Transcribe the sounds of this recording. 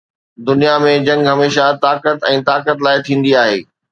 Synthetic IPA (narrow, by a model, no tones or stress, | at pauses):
d̪ʊnijamẽd͡ʑɐ̃ŋɡɦɐmeːʃat̪aːkət̪ɛ̃ːt̪aːkət̪laːɪt̪ʰĩːn̆d̪iaːɦḛː